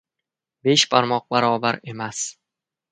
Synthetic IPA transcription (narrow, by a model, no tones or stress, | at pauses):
be̞ʃpʰaɾmɒq̚baɾɒbaɾe̞mas